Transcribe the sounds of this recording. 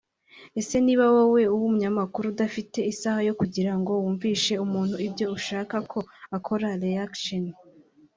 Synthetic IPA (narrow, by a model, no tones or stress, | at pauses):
e̞se̞niːβawowe̞uwumuɲamakuɾudafite̞isahajo̞kuɟiɾaŋɡo̞wuːɱviːʃe̞umuːn̥huibɟo̞uʃaːkakʰo̞akʰo̞ɾaɾeakʃon